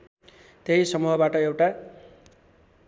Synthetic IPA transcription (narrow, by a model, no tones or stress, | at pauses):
t̪eɦisʌmuɦʌbaʈʌewʈa